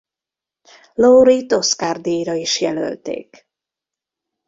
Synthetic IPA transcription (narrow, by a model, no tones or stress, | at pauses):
lowɾit̪o̞skard̪eːjɾɒiʃjɛlø̰lt̪ḛːk